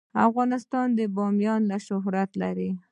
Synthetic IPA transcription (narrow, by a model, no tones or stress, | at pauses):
a̰fɣɑnɪst̪ɑnd̪əbɑmjɑnlaʃʊɦɾat̪laɾi